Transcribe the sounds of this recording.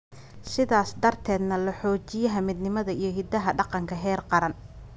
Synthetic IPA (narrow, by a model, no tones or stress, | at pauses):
sɪðaːsd̪ɐrt̪ʰɛːd̪nɐlɐħɔːt͡ʃɪjɐɦɐmɪd̪nɪmɐðɐijɞɦɪd̪ɐɦɐɖɑqɑŋkʰɐɦɛːrqɑɾɐn